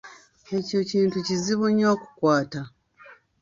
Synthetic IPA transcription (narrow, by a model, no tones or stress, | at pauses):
e̞cociːntuciziβuɲːo̞ːku̥kwaːta